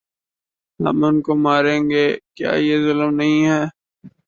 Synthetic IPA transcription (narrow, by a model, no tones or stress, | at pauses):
lɐ̰mənkomaːɾẽːŋɡeːkja̰ːjezʊlmnɐɦĩɦɛː